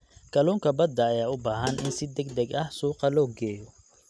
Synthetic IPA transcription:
ɡ̥ɐluːŋkʰɐbɐd̪ːɐːjaːʊbaːɦɐnʔɪnsɪd̪ɛɡd̪ɛɡɐhsuːqɑlɔːɡɛːjɔ

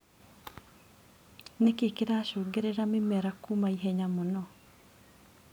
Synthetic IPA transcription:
nekekeɾaʃoːɡeɾeɾamemɛɾakumaiɦɛɲamɔnɔ

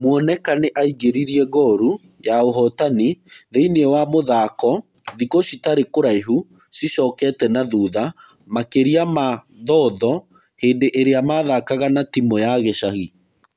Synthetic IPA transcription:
mwɔnɛkaneʔaiɣeɾiɾiɛɣɔɾu | jaoɦɔtaniðeineɛwamoðaːkɔ | ðikoɕitaɾekoɾaiɦu | siɕɔːkɛtɛnaðuːða | makeɾiama | ðɔːðɔ | heːndeʔeɾeamaːðakaɣanatimɔjaɣeɕaɣi

